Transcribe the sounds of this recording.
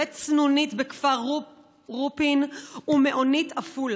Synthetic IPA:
et͡snunitbekfaʁ | ʁupinumeʔonitaful

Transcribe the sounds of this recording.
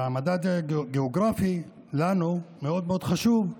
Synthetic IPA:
amad̪ad̪ɡeoɡɾafi | lanumeo̞d̪̚meo̞d̪χaʃuv

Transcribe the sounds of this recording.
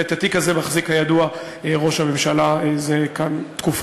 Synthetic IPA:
et̪at̪ikazemaχzikhajadua | eʁo̞ʃhame̞mʃalazekant̪kuf

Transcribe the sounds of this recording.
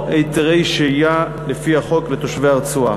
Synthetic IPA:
ejt̪eʁejʃeja | lefiaχo̞klet̪o̞ʃvejaʁt͡sua

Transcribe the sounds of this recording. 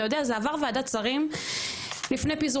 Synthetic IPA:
jo̞d̪eazeavaʁveadat͡saʁim | lifne̞jpizu

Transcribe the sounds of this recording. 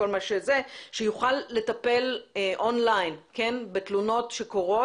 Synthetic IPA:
olmaʃeze̞ʃejuχalːe̞tɐpe̞leʔonlajnke̞nbe̞tluno̞tʃe̞ko̞ʁo̞

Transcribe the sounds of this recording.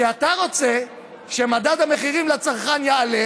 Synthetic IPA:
eat̪aʁo̞t͡se | ʃemadad̪ame̞χiʁimlat͡saʁχanjeale

